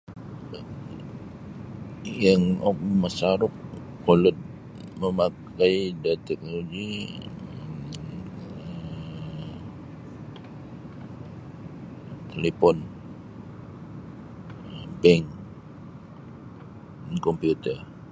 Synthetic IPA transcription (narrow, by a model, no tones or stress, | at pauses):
jaŋɔk̚masaɾʊk̚ː | olət̪̚ | məmak | aidat̪ɛk̚noloɡi | ə | t̪elepɔn | bɛŋk | nkompiut̪ər